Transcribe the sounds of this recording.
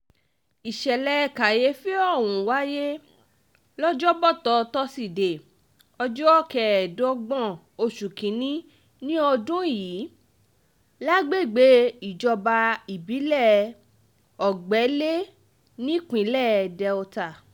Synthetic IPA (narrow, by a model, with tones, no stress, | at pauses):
i˨ʃɛ˨lɛ˧˨ka˨je˦fi˦ɔ˦˨wũ˨wa˨˦je˦ | lɔ˦d͡ʒɔ˦bɔ˦˨tɔ˨˧tɔ˦si˦˨de˨ | ɔ˧d͡ʒɔ˦˨kɛ˨dɔ˧˦ɡ͡bɔ̃˦˨ | o˧ʃu˨kĩ˨˦nĩ˦ | nĩ˦ɔ˧dũ˦˨jiː˨˦ | la˦ɡ͡be˦˨ɡ͡be˨˦i˦˨d͡ʒɔ˧ba˧i˨bi˨˦lɛ˦˨ | ɔ˨ɡ͡bɛ˨˦le˦ | nĩ˦kĩ˨˦lɛ˦˨dɛ˧o˧ta˨